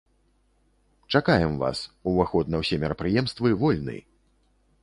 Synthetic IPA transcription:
t͡ʂakajɛmva̰suvaxɔd̪nɐwsʲɛmʲɛɾɐpɾɨjɛmst̪vɨvɔlʲnɨ̰

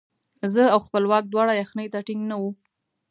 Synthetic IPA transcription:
zəawxpəlwɑk̚d̪wɑɽajaxnəjt̪aʈɪŋɡnawu

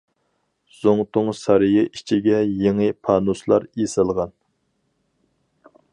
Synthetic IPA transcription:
z̥oŋt̪ʊŋsɑɾjɪʔit͡ʃʰiɡʲɛjeŋɨpʰɑːnuslˠɑ̰ɾesɨlˠʁɑn

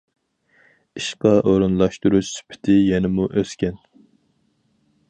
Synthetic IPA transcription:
iʃqɑʔoɾunlˠɑʃt̪uɾuʃsy̥pʰɪ̥t̪ʰɪjɛnɪmuʔøskʲɛn

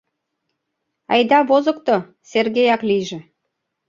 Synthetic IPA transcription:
ɑjd̪ɑβozə̆kt̪ŏ | serɣejɑklijʒĕ

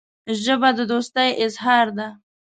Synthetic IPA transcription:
ʒəbad̪əd̪ost̪əjɪzɦɑɾd̪a

